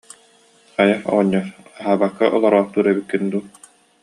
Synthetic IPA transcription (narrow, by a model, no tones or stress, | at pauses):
χajaɔ̰ʁɔɲːɔaɦaːbakːaʔɔlˠɔɾɔːχt̪uːɾɛbikːind̪uː